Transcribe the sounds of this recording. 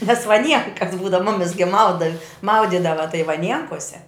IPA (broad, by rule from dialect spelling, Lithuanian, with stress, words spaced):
nʲɛs ʋɐˈnʲiɛŋkɐs ˈbuːdɐw ˈmʊmʲɪs ɡʲɪ ˈmɐʊdɐ ˈmɐʊdʲiːdɐʋɐ tɐɪ ʋɐˈnʲiɛŋkoːsʲɛ